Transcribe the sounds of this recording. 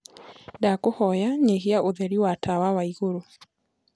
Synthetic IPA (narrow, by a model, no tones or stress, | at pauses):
dakohɔjaɲeheaoðɛɾiwatʰawawaiɣoɾo